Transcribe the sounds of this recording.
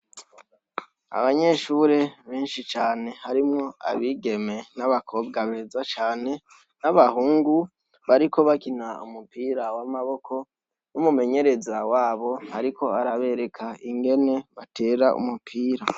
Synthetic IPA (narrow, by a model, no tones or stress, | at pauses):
a̰βaɲe̞ʃuːɾe̞βeːnʃit͡ʃaːne̞haɾimŋo̞a̰βiːɡe̞me̞naβakʰo̞ːbɡaβezat͡ʃaːne̞ | naβahuːŋɡu | βaɾiko̞βakinaṵmupiːɾawamaβo̞kʰo̞ | numume̞ɲe̞ɾe̞zawaːβo̞haɾikʰo̞aɾaβe̞ɾe̞kʰaiŋɡe̞ne̞βatʰe̞ːɾaʔṵmupʰiːɾa